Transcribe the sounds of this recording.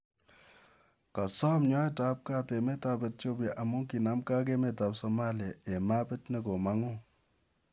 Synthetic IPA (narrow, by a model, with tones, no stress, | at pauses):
ka˨sɔ˦mɲɔ˦ɛ˦ta˦p̚ka˦te˨me˦ta˨pɛ˨t̚t͡ʃo˦bja˨ʔa˨mʊ˦ŋki˨na˨˦mka˦k̬e˦me˨ta˨psɔ˨ma˦li˨a˨e˨ma˦pɛ˦tnɛ˨ko˨ma˨˦ŋʊ˦